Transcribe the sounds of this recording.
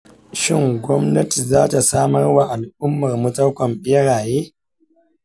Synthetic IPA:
ʃɪ˦ŋɡʷɔ˦mnɐ˦ti˨zaː˦ta˨saː˦mɐ˦rwa˨ʔa˨lʔʊ˦mːɐ˨rmʊ˦tɐ˦kʷɔ˨mɓɪ˦ɽaː˨jeː˦

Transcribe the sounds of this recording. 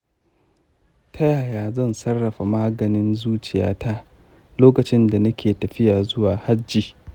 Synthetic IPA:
tʰɐ˦jaː˨jaː˨zɐ˦˨nsɐ˦rːɐ˨ɸa˨maː˦ɡɐ˨nɪ˦nzuː˦t͡ʃɪ˨ja̰ː˦tʰa˦ | loː˦kɐ˨t͡ʃɪ˦nda˨nɐ˦kʲʰeː˨tɐ˨ɸɪ˦jaː˨zʊ˦waː˨ha˦d͡ʒːiː˨

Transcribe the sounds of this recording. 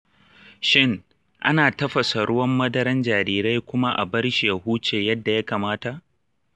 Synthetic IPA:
ʃɪ˦˨ŋ | ʔa̰˦naː˨tɐ˦ɸɐ˨sa˨ɽʊ˦wɐ˦mːɐ˦dɐ˦ɾɐ˦nd͡ʒaː˨ɾiː˦ɾe˦jkʷʊ˦ma˦ʔa̰˨bɐ˦ɽʃi˨ja˨huː˦t͡ʃeː˨jɐ˦dːa˨ja˦kaː˨maː˦ta˨ʔ

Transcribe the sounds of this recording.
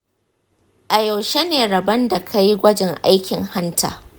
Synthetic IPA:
ʔa˨ja˨wʃe˦neː˨ɾɐ˨bɐ˦nda˨kʰa˦ji˦ɡʷɐ˦d͡ʒɪ˨ŋʔa˦jkʲɪ˨ŋha˦ntʰa̰ː˨

